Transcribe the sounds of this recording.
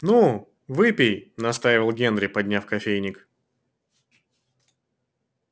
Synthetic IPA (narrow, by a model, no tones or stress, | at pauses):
nu | vɨpʲɪjnɐst̪ajvʲɪlˠɡʲe̞nd̪ɾʲɪpɐdʲnʲafkɐfʲejnʲɪk